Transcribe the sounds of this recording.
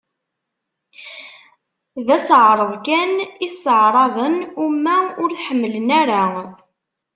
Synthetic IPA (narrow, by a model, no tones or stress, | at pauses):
ðæsʕɾˤəðˤkænisəʕɾˤɑðˤənumːæʊɾħəmːələnæɾa